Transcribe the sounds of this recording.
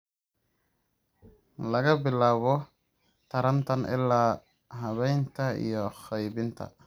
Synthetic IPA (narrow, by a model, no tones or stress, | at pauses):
lɐɣɐbɪlaːβɔ | t̪ʰɐɾɐnt̪ʰɐnɪ̰lːaː | ɦɐβɛjnt̪ʰɐḭjɔxɛjβɪnt̪ʰɐ̰